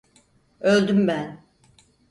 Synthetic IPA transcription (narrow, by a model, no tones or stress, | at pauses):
ølʲd̪ymbæn